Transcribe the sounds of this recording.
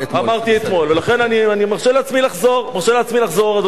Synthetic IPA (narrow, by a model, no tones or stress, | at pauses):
amaʁt̪iet̪mo̞lvelaχe̞nanianimaʁʃelat͡smilaχzo̞ʁmaʁʃeleat͡smilaχzo̞ʁad